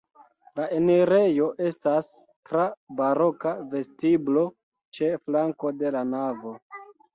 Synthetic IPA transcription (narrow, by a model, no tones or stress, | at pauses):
laʔeniɾe̞jo̞ʔe̞stas | tɾabaɾo̞kave̞stiblo̞ | t͡ʃe̞flaŋko̞de̞lanavo̞